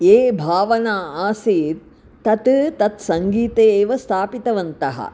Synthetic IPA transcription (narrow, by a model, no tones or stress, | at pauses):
eːbʱaːʋɐnaːaːsiːɾ | t̪ɐt̪t̪ɐt̪sɐŋɡiːt̪eːʋɐst̪ʰaːpit̪ɐʋɐnt̪ɐɦɐ̰